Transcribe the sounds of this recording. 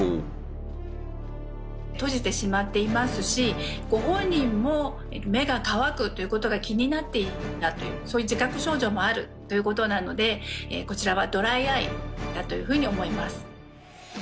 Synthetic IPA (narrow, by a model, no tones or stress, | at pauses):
t̪o̞ʑit̪e̞ɕimat̪ːe̞imasɨɕi | ɡ̥o̞ɦõ̞ɲ̟ːĩmːo̞ | eme̞ɡakaβakɯ̟t̪ːojɯ̟ko̞t̪o̞ɡakʲiɲ̟inat̪ːe̞iat̪o̞jɯ̟̰ːso̞ːjɯ̟d͡ʑikakɯ̟ɕo̞ːʑo̞ːmo̞aɾɯ̟t̪ːo̞jɯ̟ko̞t̪o̞nano̞d̪e̞ḛko̞t͡ɕiɾaβad̪o̞ɾaiaḭd̪at̪o̞jɯ̟ɸɯ̟ːɲ̟io̞mo̞imasɨ̥